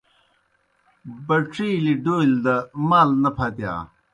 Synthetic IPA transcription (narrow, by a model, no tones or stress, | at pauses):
bɐʈ͡ʂʰiːliɖoːild̪ɐmaːlnɐpʰɐt̪ja̰ː